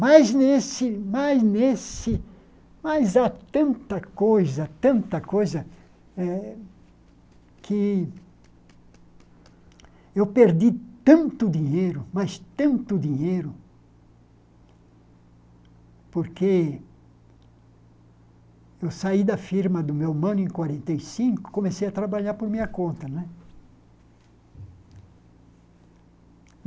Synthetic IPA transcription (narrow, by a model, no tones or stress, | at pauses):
majznesɪmajznesɪ | majzat̪ɐ̃nt̪ɐkojzɐt̪ɐ̃nt̪ɐkojzɐ | ɛ | kʰɪ | ewpeɾd̪it̪ɐ̃nt̪ʊd̪iɲejɾʊmast̪ɐ̃nt̪ʊd̪iɲejɾʊ | poɾke | ewsaid̪ɐfiɾmɐd̪ʊmewmɐ̃nʊẽkwaɾẽnt̪ejsĩŋkʊ̥komesejɐt̪ɾabaʎaɾpoɾmĩɲɐkõnt̪ɐnwɛ